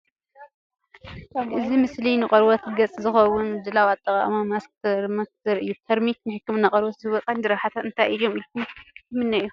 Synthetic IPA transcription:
ʔɨzimɨslinɨqʼɐɾwot̪ɡɐt͡sʼzɨxɐwʊnd̪ɨlawat̪ʼːɐqʼa̰mamaskt̪ʰɐɾmɐkt̪ʰɐɾɨjːut̪ʰɐɾmiknɨħɨkːɨmɨnːaqʼɐɾwoɐt͡sʼand̪ɨɾɐħat̪ʰat̪ɨnt̪ʰajʔɨjːomɨlkʰumɨmɨnːɐʔju

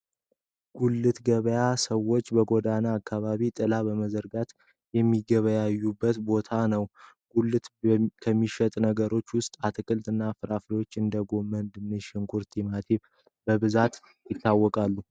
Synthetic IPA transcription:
ɡ̥ulːɨt̪ɡəβəjasəwo̞t͡ʃːbəɡo̞d̪anaːkʰːaβaβit̪ʼɨlabəməzəɾɡat̪ | jɛmːiɡəβəjajːubːət̪bo̞t̪ʰanəw | ɡ̥ulːɨt̪kʰəmːiʃət̪ʼnəɡəɾo̞t͡ʃːwʊst̪ʼat̪ʰɨkʼɨlt̪ʼɨnːafɨɾafɾewo̞t͡ʃːɨnd̪əɡo̞mənd̪ɨmːɨʃɪŋkʰuɾt̪ʰimat̪ʰiβ | bəβɨzat̪ | jɪt̪ːawːɔkʼalːu

